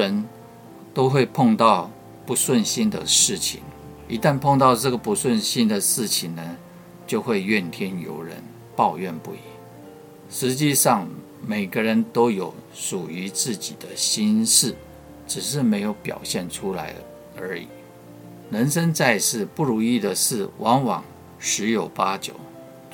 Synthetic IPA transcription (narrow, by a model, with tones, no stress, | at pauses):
ə˧˥n | t̪o˥ʊxwe˥˧ɪpʰʊ˥˧ŋt̪ɑ˥˩ʊ | pu˧˥swə˥˩nɕi˥nd̪ə̰˨ʂɻ̩˥˩t͡ɕʰḭ˨˩ŋ | i˧˥t̪a˥˧npʰo˥˧ŋt̪ɑ˥˧ʊʈ͡ʂɤ˥˩ɡə˩pu˧˥swə˥˩nɕi˥nd̪ə˨ʂɻ̩˥˩t͡ɕʰi˨˩ŋnə˦ | t͡ɕjo˥˧ʊxwe˥˧ɪɥɛ˥˩nt̪ʰjɛ˥njo̰˧˥ʊɻə̰˧˥n | pɑ˥˧ʊɥɛ˥˧npṵ˥˩i˧˥˦ŋ | ʂɻ̩˧˥t͡ɕi˥˧ʂɑ˥˩ŋ | me˨˩ɪɡə˦ɻə˧˥nt̪o˥ʊjo˧˥ʊ | ʂu˨˩y˧˥t͡sɹ̩˥˩t͡ɕi˨˩d̪̥ə˦ɕi˥nʂɻ̩˥˩ | ʈ͡ʂɻ̩˨˩ʂɻ̩˥˩me˧˥ɪjo˧˥ʊpjɑ̰˨˩ʊɕjɛ˥˩nʈ͡ʂʰu˥la̰˧˥ɪ | ə̰˞˧˥ḭ˨˩˦ | nə˧˥nʂə˥nt͡sa˥˧ɪʂɻ̩˥˧pu˥˩ɻu˧˥i˥˩d̪ə˩ʂɻ̩˥˩wɑ˧˥ŋwɑ̰˨˩ŋ | ʂɻ̩˧˥jo˨˩ʊpa˥t͡ɕjo˨˩˦ʊ